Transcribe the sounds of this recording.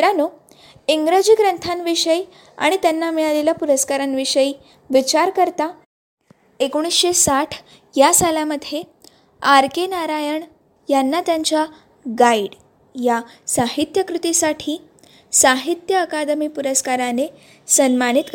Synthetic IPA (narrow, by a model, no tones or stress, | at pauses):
ɾano | iŋɡɾəd͡ʑiːɡɾənt̪ʰanʋiʂəj | a̰ɽ̃it̪janːamiɭalelapuɾəskaɾanʋiʂəji | ʋit͡ɕaɾkəɾt̪a | ekoɽ̃isɕesaʈʰ | jasalaməd̪ʱje | aɾkenaɾajəɳ | janːat̪jaɲt͡ɕa | ɡaiɽ | jasaɦit̪jəkɾut̪isaʈʰiː | saɦit̪jəːkad̪miːpuɾəskaɾane | sənmanit̪k